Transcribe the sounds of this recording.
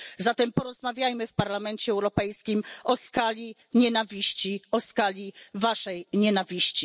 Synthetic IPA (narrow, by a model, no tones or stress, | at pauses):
zat̪ɛmpɔɾɔzmavʲjajmɘfpaɾlamɛnt͡ɕɛːwɾɔpɛjskʲimʔɔskalʲi | ɲɛnavʲiɕt͡ɕiɔskalʲivaʂɛjɲɛnavʲiɕt͡ɕi